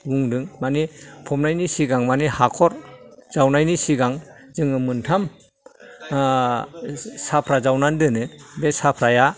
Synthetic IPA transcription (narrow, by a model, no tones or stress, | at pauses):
ɡuŋdɯŋmanipʰɔmnajnisiɡaŋmanihakʰɔɾz̥awnajnisiɡaŋ | zɯŋɯmɯntʰam | sapʰɾazawnandɯnɯbesapʰɾaja